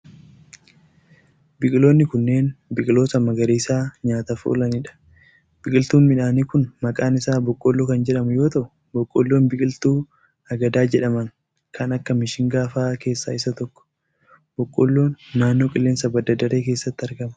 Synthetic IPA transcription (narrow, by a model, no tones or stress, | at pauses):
bɪkʼɪlo̞ːnːɪkʊnːe̞ːnbɪkʼɪloːsɐmːɐɡɐɾeːsaːɲaːt̪ɐfṵːlɐnɪᶑɐ̥ | b̥ɪkʼɪlt̪uːnmɪᶑaːniːkʊnmɐkʼaːnɪsaːbɔkʼːɔlːoːkɐnd͡ʒɛᶑɐmʊjo̞ːt̪ɐʔʊ | bɔkʼːɔ̰lːo̞ːnbɪkʼɪlt̪uː | ɐɡɐd̪aːd͡ʒɛᶑɐmɐŋ | kʰɐnɐkːɐmɪʃɪŋɡaːfaːke̞ːsːaːɪsːɐt̪ɔkːɔ̥ | b̥ɔkʼːɔ̰lːo̞ːnːaːnːo̞ːkʼɪlːeːnsɐbɐd̪ɐd̪ɐɾe̞ːke̞ːsːɐt̪ːɪɐɾɡɐmɐ̥